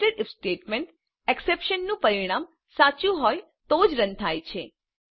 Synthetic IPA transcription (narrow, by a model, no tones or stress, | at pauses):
ʈəɾɪfsʈeʈmeɳʈ | ɛksepʃənːũpəɾiɽ̃aːm | sat͡ʃũɦɔj | t̪od͡ʒɾə̃nt̪ʰajt͡ʃʰe